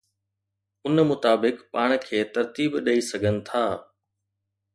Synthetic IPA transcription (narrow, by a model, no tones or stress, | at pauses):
ʊnmʊt̪aːbɪkpaːɽ̃kʰeːt̪ɐɾt̪iːbɗɐisɐɡʱənɪ̆t̪ʰaː